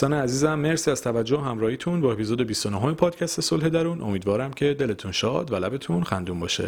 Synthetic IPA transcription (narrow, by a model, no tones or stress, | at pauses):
sɒːneæziːzæmmːe̞ɾsiæz̥t̪ʰævæd͡ʒːohæmɾɒːhiːt̪ʰunbɒːe̞pʰizod̪ebist̪onoɦomepʰɒːd̪cʰæst̪eso̞lɦe̞d̪æɾunʔo̞̰miːd̪vɒːɾæmcʰe̞d̪e̞le̞t̪ʰunʃɒːd̪vælæbe̞t̪ʰunxænd̪uːmbɒːʃḛ